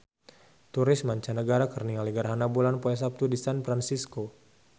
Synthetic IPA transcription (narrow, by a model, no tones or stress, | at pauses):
t̪uɾɪsmaɲt͡ʃanəɡaɾakərniŋaliɡəɾɦanabulanpoɛs̬ap̚t̪udisanfɾansisko